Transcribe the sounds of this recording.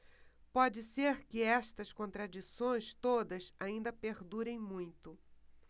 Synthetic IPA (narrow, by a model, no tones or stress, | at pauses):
pɔd͡ʒɪseɾkɪɛst̪ɐskõnt̪ɾad͡ʒisõj̃st̪od̪ɐsaĩnd̪ɐpeɾd̪uɾẽj̃mũj̃t̪ʊ